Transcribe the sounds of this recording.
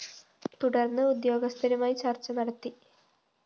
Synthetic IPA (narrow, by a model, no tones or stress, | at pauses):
t̪uɽɐrnːɨud̪jo̞ːɡɐst̪ʰɐɾumaːjit͡ɕɐrt͡ɕːɐnɐɽɐt̪ːi